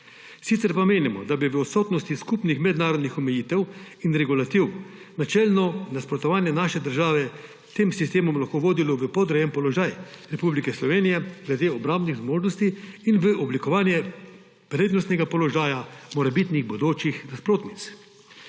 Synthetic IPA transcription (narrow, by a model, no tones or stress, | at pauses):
sit̪sɛɾpameːnimɔd̪abiʋəɔt̪soːt̪nɔst̪iskupnixmɛd̪naːɾɔd̪nixɔmɛjiːt̪ɛw | inɾɛɡulat̪iw | nat͡ʃɛlnɔnaspɾɔt̪ɔʋaːnjɛnaːʃɛd̪əɾʒaːʋɛ | t̪emsist̪eːmɔmlaxkoʋoːd̪ilɔʋəpɔd̪ɾajɛmpɔlɔʒaːjɾɛpublikɛslɔʋeːnijɛɡlɛd̪eːɔbɾambniɣzmoːʒnɔst̪iːnʋəʔɔblikɔʋaːnjɛ | pɾeːd̪nɔst̪nɛɡapɔlɔʒaːjamɔɾɛbit̪niɣbɔd̪oːt͡ʃixnaspɾoːt̪nit̪s